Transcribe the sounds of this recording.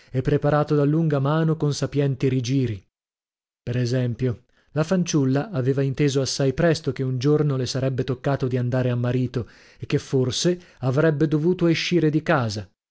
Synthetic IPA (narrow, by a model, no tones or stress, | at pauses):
ɛpːɾepaɾaːt̪od̪alːuŋɡamaːnokonsapjɛnt̪iɾid͡ʒiːɾi | peɾɛzɛmpjo | lafant͡ʃulːaʔːveːvaint̪eːzoasːajpɾɛst̪okeund͡ʒornolesaɾɛbːet̪okːaːt̪od̪iand̪aːɾeamːaɾiːt̪o | ekːefːorse | avɾɛbːed̪ovuːt̪oeʃːiːɾed̪ikaːza